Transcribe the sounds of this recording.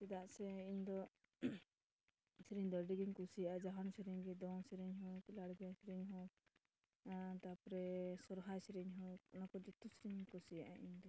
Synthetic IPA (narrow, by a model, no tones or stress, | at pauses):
sid̪aʔsɛiɲd̪ɔ | sɾiɲd̪ɔɾɖiɡiɲkusijaʔad͡ʒɔɦɔnsɾiɲɡɛd̪ɔŋsɾiɲɦɔklaɽɡasɾiɲɦɔ | t̪apɾɛsɔɾɦajsɾiɲɦɔnakɔd͡ʒut̪usɾiɲkusijaʔa̰ʔiɲd̪ɔ